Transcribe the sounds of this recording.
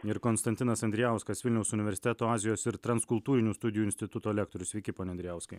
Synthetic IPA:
ɪɾkɔnst̪ɐnt̪ʲɪnɐsɐnʲd̪ɾʲɪjæˑʊskɐsʋʲɪlʲnʲɛʊsʊnʲɪʋʲɛɾʲsʲɪt̪ʲɛt̪oːɑːzʲɪjoːsɪɾt̪ɾɐnskʊlˠt̪uːɾʲɪnʲuːst̪ʊd̪ʲɪjuːɪnʲsʲt̪ʲɪt̪ʊt̪oːlʲæːkt̪oːɾʲʊsʋʲɛɪkʲɪpoːnʲɛnd̪ʲɾʲɪjæˑʊskɐɪ

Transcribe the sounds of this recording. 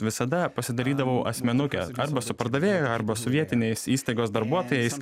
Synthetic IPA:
ʋʲɪsɐd̪ɐpɐsʲɪd̪ɐɾʲiːd̪ɐʋɐʊʔɐ̰sʲmʲɛnʊkʲɛ̰ɐɾbɐsʊpɐɾd̪ɐʋʲeːjɛɐɾbɐsoʋʲiɛt̪ʲɪnʲeɪsiːst̪ɐɪɡoːsd̪ɐɾbuɔt̪oːjɛɪs

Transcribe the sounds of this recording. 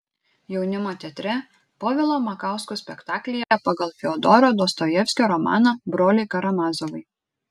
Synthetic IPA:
jɛʊnʲɪmoːt̪ʲɛt̪ʲɾʲɛ | poːʋʲɛlˠoːmɐkɑˑʊskusʲpʲɛkt̪ɑːklʲɪjɛpɐɡɐlˠfʲɪɔd̪ɔːɾoːd̪oːst̪ɔjɛfʲsʲkʲoːɾɔmɑ̰ːnɑbɾoːlʲɛɪkɐɾɐmɑːzɔʋɐɪ

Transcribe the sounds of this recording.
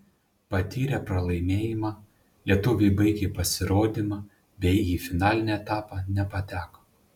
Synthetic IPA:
pɐt̪ʲiːɾʲɛpɾɐlˠɐɪmʲeːjɪmɑː | lʲiɛt̪ʊʋʲɛɪbɐɪɡʲepɐsʲɪɾoːd̪ʲimɑ | bʲɛɪiːfʲɪnɑːlʲɪnʲɛːɛt̪ɑːpɑːnʲɛpɐt̪ʲæːko̥

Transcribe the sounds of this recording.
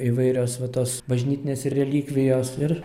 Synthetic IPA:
iʋɐɪɾʲoːsʋɐt̪oːsbɐʒʲnʲiːt̪ʲɪnʲeːsɪrːʲɛlʲiːkʋʲɪjoːsɪr

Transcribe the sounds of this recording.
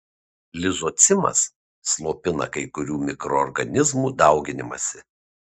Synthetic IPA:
lʲɪzot̪sʲɪmɐ̰sː | lˠoːpʲɪnɐ̰kɐɪkʊɾʲuːmʲɪkɾɔːɾɡɐnʲɪzmuːd̪ɐˑʊɡʲɪnʲɪmɐ̰sʲɪ

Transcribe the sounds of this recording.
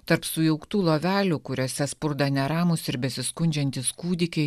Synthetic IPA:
t̪ɐɾpsʊjɛʊkt̪uːlˠoːʋʲæːlʲuːkʊɾʲoːsʲɛspʊɾd̪ɐnʲɛɾɑːmʊsɪɾʲbʲɛsʲɪskʊnʲd͡ʒʲɛnʲt̪ʲɪskuːd̪ʲɪkʲɛɪ

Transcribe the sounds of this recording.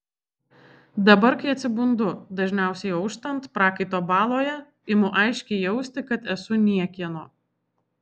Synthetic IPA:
d̪ɐbɐɾkɐɪɐt̪ʲsʲɪbʊnd̪ʊd̪ɐʒʲnʲæˑʊsʲɛɪɐʊʃt̪ɐnt̪pɾɑːkɐɪt̪oːbɑːlˠoːjɛ | ɪmʊʔɑɪʃʲkʲɛɪjɛʊsʲt̪ʲɪkɐt̪ɛsʊnʲiɛkʲiɛnoː

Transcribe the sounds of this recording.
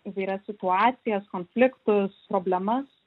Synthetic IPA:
ʋʲiɾɐsʲsʲɪt̪ʊɑːt̪sʲɪjɛskoːnfʲlʲɪkt̪ʊspɾoːbʲlʲɛmɐs

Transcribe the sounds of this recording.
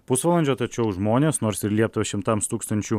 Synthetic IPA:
pʊsʋɐːlˠɐnʲd͡ʒʲoːt̪ɐt͡ʃʲɛʊʒmoːnʲeːsnoːɾsɪɾlʲiɛp̚t̪ʊʋʲɐʃʲɪmt̪ɐmst̪uːkst̪ɐnʲt͡ʃʲuː

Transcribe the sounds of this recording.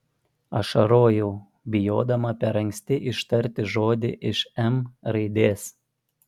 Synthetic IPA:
ɐʃɐɾoːjuː | bʲɪjoːd̪ɐmɐpʲɛɾɐŋʲkʲsʲt̪ʲɪʔɪʃt̪ɐɾʲt̪ʲɪʒoːd̪ʲɪʔɪʃɛmɾɐɪd̪ʲeːs

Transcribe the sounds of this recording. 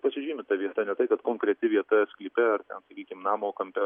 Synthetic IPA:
pɐsʲɪʒʲɪːmʲɪt̪ɐʋʲiɛt̪ɐnʲɛt̪ɐɪkɐt̪koːŋkɾʲɛt̪ʲɪʋʲiɛt̪oʋʲɛsklʲiːpʲɛɐrt̪ʲɛnsɐkʲiːkʲɪmnɑːmoːkɐmʲpʲɛ

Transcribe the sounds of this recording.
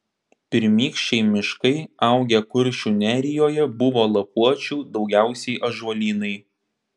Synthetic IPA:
pʲɪɾʲmʲiːkʃʲt͡ʃʲɛɪmʲɪʃkɐɪɑˑʊɡʲɛkʊɾʲʃʲunʲæːɾʲɪjoːjɛbʊʋoːlˠɐpuɔt͡ʃʲuːd̪ɒʊɡʲæˑʊsʲɛɪʔɐʒuɔlʲiːnɐɪ

